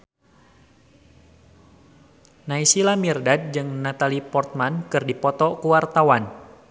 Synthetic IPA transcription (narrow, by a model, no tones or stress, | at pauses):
naisilamirdad̚d͡ʒɨŋnat̪alipɔrt̪̚mankɨrdipɔt̪ɔkuwart̪awan